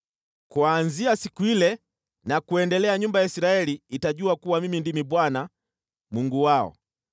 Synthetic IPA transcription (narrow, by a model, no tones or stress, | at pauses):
kwanziasikuilɛ | nakuɛndɛlɛaɲumbajaisiɾaɛliːtaɟuakuwamimindimibwana | muŋɡuwaɔ̰